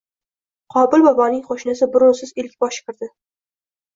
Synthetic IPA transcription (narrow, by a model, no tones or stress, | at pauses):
qʰɒbɪlbɒbɒnɪŋχoʃnasɪbɪɾʊsɪzɪlkʲbɒʃɪ̥kʲɪɾd̪ɪ